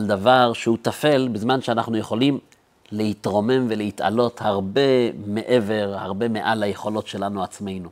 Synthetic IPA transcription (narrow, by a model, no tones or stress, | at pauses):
ald̪avaʁʃehutafe̞lbizmanʃeanaχnujeχo̞lim | lehitʁo̞me̞mvelehita̰lo̞thaʁbe̞meʔe̞ve̞ʁhaʁbe̞me̞ʔalajeχo̞lo̞tʃe̞lanuat͡sme̞jnu